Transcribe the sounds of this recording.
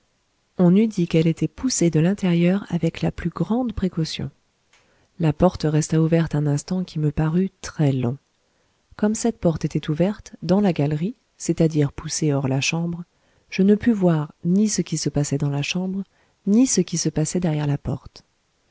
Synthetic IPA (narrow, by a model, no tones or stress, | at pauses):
ɔ̃nyd̪ikɛlet̪ɛpused̪əlɛ̃t̪eʁjœʁa̰vɛklaplyɡʁɑ̃d̪pχekɔsjɔ̰̃ | lapɔʁt̪ʁɛst̪auvɛʁt̪ɛ̃nɛ̃st̪ɑ̃kʲʰiməpaʁyt̪χɛlɔ̰̃ | kɔmsɛt̪̚pɔʁt̪et̪ɛt̪uvɛʁt̪d̪ɑ̃laɡalʁi | set̪ad̪iʁpuseɔʁlaʃɑ̃bʁ | ʒ̥ənəpyvwaʁnisəkʲisəpasɛd̪ɑ̃laʃɑ̃bʁ | nisəkʲisəpasɛd̪ɛʁjɛʁlapɔ̰ʁt̪